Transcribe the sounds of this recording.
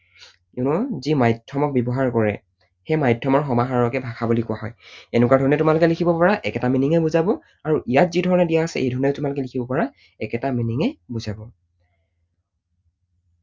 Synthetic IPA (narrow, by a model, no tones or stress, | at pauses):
ɛnɔzimajdʰʱɔmɔk̚bɛbɔɦaɹkɔɹɛ̰ | xɛmajdʱɔmɔɹxɔmaɦaɹɔkɛbʱakʰabulikʊwaɦɔjɛnʊkwaɹdʱɔɹɔnɛtʊmalʊkɛlikʰibɔpɔɹaʔɛkɛtaminiŋɛbuzabɔ | aɹuʔijat̚zidʱɔɹɔnɛdijaasɛ̰ʔḛjdʱɔɹɔnɛʊtʊmalʊkɛlikʰibɔpaɹa | ɛkɛtaminiŋɛbuzabɔ